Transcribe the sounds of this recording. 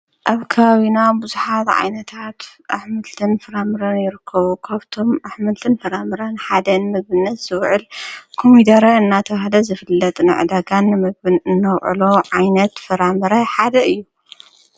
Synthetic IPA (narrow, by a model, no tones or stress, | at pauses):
ʔaβkʰɐβaβinabɨzuħat̪ʕa̰jnɐt̪ʰat̪ʔaħmɨlt̪ʰɨnfɨɾamɨɾɐnjɪɾɨkʰːɐβukʰaβt̪ʰo̞mʔaħmɨlt̪ʰɨnfɨɾamɨɾɐnħad̪ɐnɨmɨɡβɨnːɐt̪z̥ɨwʕɨlkʰomid̪ɐɾɐɨnːat̪ʰɐβahlɐzɨfɨlːɐt̪ʼnɨ̰ʕɨ̰d̪aɡanːɨmɨɡɨɨnːɐwʕɨ̰lo̞ʕajnɐt̪fɨɾamɨɾɐħad̪ɐɨjːu